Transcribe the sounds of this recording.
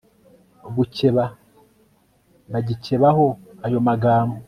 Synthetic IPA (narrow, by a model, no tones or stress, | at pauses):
ɡuceβa | βaɟice̞βaho̞ajo̞maɡaːmbo